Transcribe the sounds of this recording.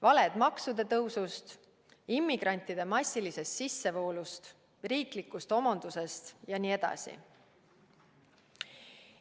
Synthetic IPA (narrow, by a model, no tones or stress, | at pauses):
vɑle̞d̪̥mɑksud̪e̞t̪ɤwsust̪ | imːiɡ̥ɾɑnʲt̪ːid̪̥e̞mɑsʲːilise̞st̪sisːe̞vo̞ːlust̪ | riːklikːˑust̪o̞mɑnd̪̥use̞st̪jɑniːe̞d̪̥ɑ̰sḭ